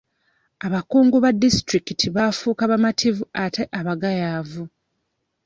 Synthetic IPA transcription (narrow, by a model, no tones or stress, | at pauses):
aβakuːŋɡuβadːistɾikitʰiβafuːkaβamatʰivuate̞ʔaβaɡajaːvu